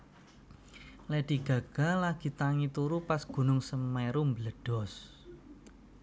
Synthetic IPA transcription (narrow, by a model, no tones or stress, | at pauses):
lɛd̪̥i̤ɡ̥a̤ɡ̥a̤laɡ̥i̤t̪aŋit̪uɾupasɡ̥ṳnʊŋsəmmɛɾumbələɖ̥ɔ̤s